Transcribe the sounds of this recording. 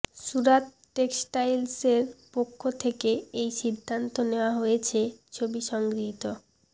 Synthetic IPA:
ʃuɾat̪ | ʈeksʈajlseɾpokʰːot̪ʰekeejʃid̪ʱːant̪oneoaɦojet͡ɕʰet͡ɕʰobiʃɔŋɡɾiɦit̪o

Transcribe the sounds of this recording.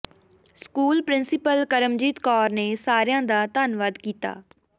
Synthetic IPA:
skuːlpɾɪnsɪpəlkəɾəmd͡ʒiːt̪kɔːɾneːsaːɾjãːd̪aːt̪aːnʋaːd̪kiːt̪a̰ː

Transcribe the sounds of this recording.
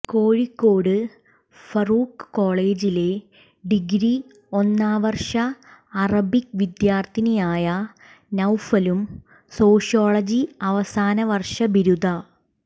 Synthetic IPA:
koːɻikːoːɽɨ | fɐruːkkːo̞ːɭe̞ːd͡ʑile̞ | ɖiɡɾi | o̞nːaːʋɐrʂɐːrɐbik̚ʋid̪jaːrt̪ʰinejaːjɐ | nɐwfɐlum | so̞ːʂijoːɭɐd͡ʑiɐʋɐsaːnɐʋɐrʂɐbiɾud̪ɐ

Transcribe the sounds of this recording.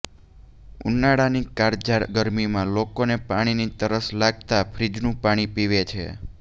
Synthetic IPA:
ṵnːaɽanikaɾd͡ʒaɾɡəɾmimãlokonepaɽ̃init̪əɾəslaɡt̪apʰɾid͡ʒnũpaɽ̃ipiʋet͡ʃʰḛ

